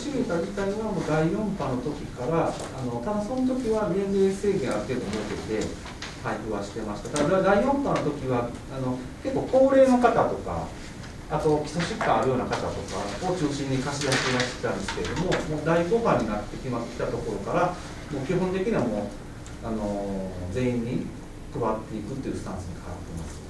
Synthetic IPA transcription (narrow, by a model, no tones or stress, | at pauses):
ɕiɡit̪ad͡ʑit̪aiamoːd̪aijõ̞mpano̞t̪o̞kʲikaɾa | a̰no̞t̪ad̪aso̞not̪̬o̞kʲiβaɾenɾeːse̞ːɡẽ̞aɾɯ̟t̪e̞ːd̪omot̪et̪e̞ | haiɸɯ̟βaɕi̥t̪e̞maɕi̥t̪at̪ad̪ad̪ead̪aijõ̞mpano̞t̪okʲiβa | ano̞ | ke̞kːo̞ːko̞ːɾe̞ːno̞kat̪at̪o̞ka̰ | at̪o̞kʲi̥soɕikːãːɾɯ̟jo̞ːnakat̪at̪o̞kaot͡ɕɨːɕĩɲ̟ːikaɕid̪aik̪iβaɕit̪e̥t̪ãnd̪e̞sɨ̥ke̞ɾe̞d̪omo̞moːd̪aiko̞ːkãɲ̟ːinat̪ːe̞kʲimat̪ːkʲi̥t̪at̪o̞ko̞ɾo̞kaɾa | mo̞ːkʲiɦõnt̪ekʲiɲ̟iβamo̞ː | ano̞d͡ze̞ːĩɲ̟ːi | kɯ̟βat̪ːe̞ikɯ̟t̪ːe̞iɯ̟sɨ̥t̪ãɰ̃sɨɲ̟ikʰaβa̰t̪ːe̞ma̰sɨ̥